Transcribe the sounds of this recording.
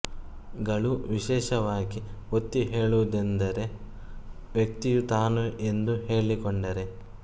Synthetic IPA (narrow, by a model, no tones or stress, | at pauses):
ɡɐɭuʋiʃɛːʃɐʋaːɡiot̪ːiɦe̞ːɭud̪end̪ɐɾe̞ | ʋjɐk̚t̪ijut̪aːnuʔe̞nd̪uɦe̞ːɭikoɳɖɐɾe̞